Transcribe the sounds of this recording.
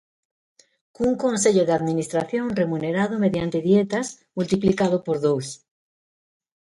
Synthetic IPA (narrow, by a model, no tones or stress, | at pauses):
kuŋkonseʎoðeaðmĩnist̪ɾaθjõ̞nre̞muneɾað̞ome̞ðjant̪e̞ðjet̪as | mult̪iplikað̞opoɾðows